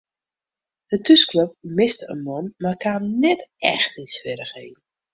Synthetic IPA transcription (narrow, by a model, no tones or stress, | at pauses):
d̥ətyskløp̚mɪstə̰nmɔnmakannɛtɛ̰xtinsʋɪɾəxḛːn